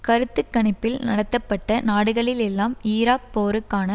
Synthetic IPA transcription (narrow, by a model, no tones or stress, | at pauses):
kɐɾɯt̪ːɯkːɐɳɪpːɪlnɐ̰ɽɐt̪ːɐpːɐʈːɐnaːɽɯɣɐɭɪlɛlːaːmiːɾaːk̚poːɾɯkːaːnɐ